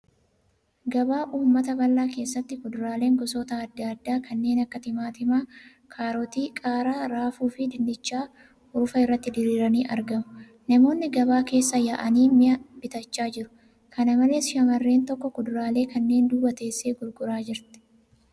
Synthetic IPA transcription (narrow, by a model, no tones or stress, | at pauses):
ɡɐbaːʔuːmːɐt̪ɐbɐlːaːke̞ːsːɐt̪ːɪkʊd̪ʊɾaːle̞ːŋɡɔsoːt̪ɐːd̪ːad̪ːaːkʰɐnːe̞ːnɐkːɐt̪ɪmaːt̪ɪmaː | kʰaːɾot̪iːkʼaːɾaːɾaːfuːfɪd̪ɪnd̪ɪt͡ʃːaː | ʊɾʊfɐɪrːɐt̪ːɪd̪ɪɾiːɾɐniːʔɐ̰ɾɡɐmʊ̥ | nɐmo̞ːnːɪɡɐβaːke̞ːsːɐjaʔɐniːmɪʔɐbɪt̪ɐt͡ʃːaːd͡ʒɪɾʊ̥ | kʰɐnɐmɐle̞ːsʃɐmɐrːe̞ːnt̪ɔkːɔkʊd̪ʊɾaːle̞ːkɐnːe̞ːnd̪uːbɐt̪e̞ːsːe̞ːɡʊɾɡʊɾaːd͡ʒɪɾt̪ɛ̥